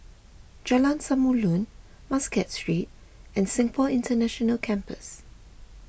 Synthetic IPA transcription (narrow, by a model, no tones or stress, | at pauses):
d͡ʒɛlãnsamulũn | maskɛtstɹit̚ | ɛ̃nsɪ̃ŋfɔlɪ̃ntənɛʃɔnəlkʰɛ̃mpə̰s